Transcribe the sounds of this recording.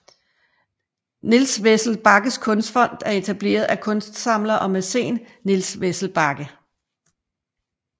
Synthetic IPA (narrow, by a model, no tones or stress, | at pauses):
nilsʋesl̩b̥ɑ̈ɡ̥əskʰɔ̽nsd̥fɒ̽n̰d̥æɐe̝t͡sʰæb̥le̝̰ːɐð̞ˠækʰɔ̽nsd̥sɑ̈m̰lɐʔɒ̽mesḛːnː | ilsʋesl̩b̥ɑ̈ɡ̥ə